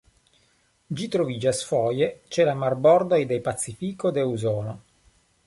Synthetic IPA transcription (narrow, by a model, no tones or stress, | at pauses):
d͡ʒit̪ɾovid͡ʒasfɔːjet͡ʃɛlamarbɔrd̪ajd̪ɛjpat̪sːifiːkod̪euzɔːno